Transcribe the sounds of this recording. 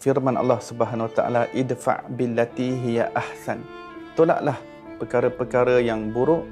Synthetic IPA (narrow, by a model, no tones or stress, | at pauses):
firmãnɑ̰lːɑhsubəɦanwat̪a̰ʔa̰laʔɪd̪fa̰ʔbilːat̪iɦijaʔahsan | t̪ola̰ʔlah | pəkaɾəpərkaɾəjaŋbuɾʊʔ